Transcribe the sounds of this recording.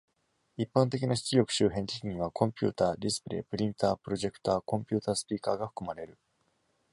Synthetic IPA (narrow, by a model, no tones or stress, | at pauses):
ipːãnt̪e̞kʲinaɕi̥t͡sɨɾʲo̞kɯ̟̥ɕɨːɦẽ̞nt̪ekʲiɲ̟iβ̞akʰõ̞mpʲṵːt̪aːd̪ʲisɨ̥pɯ̟ɾḛpɯ̟ɾʲĩnt̪aːpɯ̟ɾo̞ʑe̞kɯ̟̥t̪aːkõ̞mpʲɨːt̪aːsɨ̥pʲiːkaːɡaɸɯ̟̥kɯ̟maɾe̞ɾɯ̟